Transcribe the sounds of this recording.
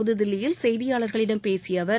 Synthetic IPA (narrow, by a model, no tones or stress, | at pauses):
ʊðɯðɪlːɪjɪlsɛjðɪjaːɭɐɾɣɐɭɪɽɐmpeːsɪjɐʋɐɾ